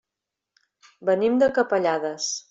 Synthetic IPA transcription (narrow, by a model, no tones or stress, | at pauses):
bənimd̪əkəpəʎaðəs